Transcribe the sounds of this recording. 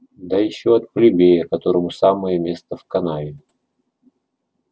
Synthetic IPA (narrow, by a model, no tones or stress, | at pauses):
d̪ɐjɪɕːoɐt̪̚plʲɪbʲejəkɐt̪oɾəmʊsaməjəmʲe̞st̪əfkɐnavʲɪ